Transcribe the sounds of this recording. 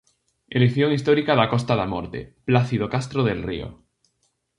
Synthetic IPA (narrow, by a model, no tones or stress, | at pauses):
elekθjoŋist̪oɾikaðakost̪aðamo̰ɾt̪ḛplaθiðokast̪ɾoðelrḭo̰